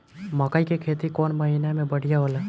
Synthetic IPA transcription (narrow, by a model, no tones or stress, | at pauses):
məkaikekʰeːt̪ikɔːnməɦinemẽbəɽ̤ijaɦoːlaː